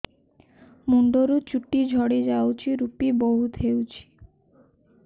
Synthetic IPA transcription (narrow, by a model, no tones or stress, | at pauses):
muɳɖoɾut͡ɕuʈːid͡ʒʱɔɽed͡ʒawt͡ʃʰiɾupiboɦut̪ɦewt͡ɕʰi̥